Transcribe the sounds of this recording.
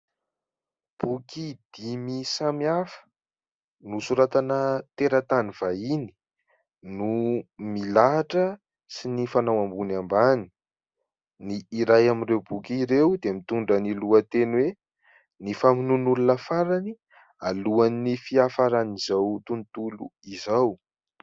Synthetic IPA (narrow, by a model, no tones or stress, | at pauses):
b̥ukid̪̥imisamiafə̥ | nusuɾat̪anət̪eɾət̪aniv̥aini̥ | numilaɦaʈ͡ʂə | sinifanawambunambani̥ | niːɾajaminrewbukʲiɾewd̪emit̪uɳɖ͡ʐəniluət̪enwe | nifaminunulunəfaɾani | aluannifiafaɾanizawt̪unt̪ulṵizaw